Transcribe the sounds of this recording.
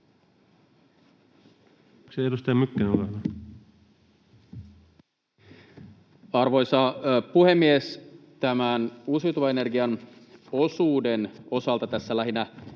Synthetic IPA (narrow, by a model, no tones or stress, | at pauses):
seedust̪ɑjɑmykːænoɡɑlɑ | ɑrʋo̞jsɑpuhe̞mːiest̪æmænusujt̪uʋɑene̞rɡiɑno̞suːde̞no̞sɑlt̪ɑt̪æsːælæɦinæ